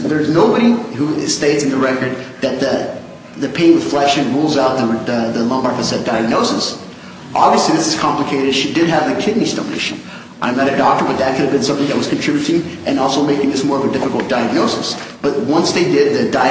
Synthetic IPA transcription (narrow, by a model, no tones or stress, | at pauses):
ðə˞znoʊbəɾiɦusteɪtsɨ̃n̩ðɨɹɛkə˞d̪̚ðɨt̪̚ðɨ | ðɨpʰẽɪ̃nwɨð̥flɛʃɨ̃nɹulˠzaʊt̪̚ðəðəlʌ̃mbɑɹkfɨsɛt̚d̥aɪɨɡ̚noʊsɨs | ʔɑbviɨsliðɪsɨz̥kʰɑ̃mpləkʰeɪɾɨd̥ʃidɨd̚ɨvðɨkʰɪdⁿnizd̥õ̰ʊ̃nḛɪʃɨ̰̃n | ʔã̰ɪ̃mnɨɾɨdɔk̚tə˞bʌt̪̚ðɨt̚kʰʊɾɨvbɨ̃nsʌ̃mθɪ̃ŋðɨt̚wʌz̥kʰn̩tʰɹ̥ɪbjʉɾɪ̃ŋʔɨ̃nɔlˠsoʊmeɪkɪ̃ŋðɪsmɔɹʌvɨdɪfəkl̩ˠt̚d̥aɪɨɡ̚noʊsɨ̰sb̥ʌt̚wʌ̃nsðeɪdɪd̪̚ðɨdaɪ